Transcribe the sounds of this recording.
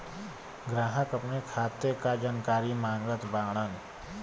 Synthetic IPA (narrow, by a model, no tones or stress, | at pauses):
ɡɾaːɦəkəpnekʰaːt̪ekad͡ʒaːnkaːɾimãːŋɡɡət̪baːɽ̃ən